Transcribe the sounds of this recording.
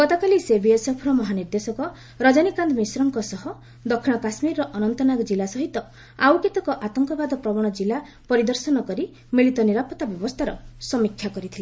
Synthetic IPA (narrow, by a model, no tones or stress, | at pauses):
ɡɔt̪akalisebiesɔpʰɾɔmɔɦaniɾd̪esɔkɔ | ɾɔd͡ʒanikand̪misɾɔŋkɔsɔɦɔ | d̪ɔkʰːiɽ̃ɔkasmiɾːɔʔɔnɔnt̪ɔnaɡɔd͡ʒilasɔɦit̪ɔ | awket̪ɔkɔʔat̪ɔŋkɔbad̪ɔpɾɔbɔɽ̃ɔd͡ʒila | pɔɾid̪ɔɾsɔnɔkɔɾi | miɭit̪ɔniɾapɔt̪ːabjɔbɔst̪ʰaɾɔsɔmikʰːjakɔɾit̪ʰile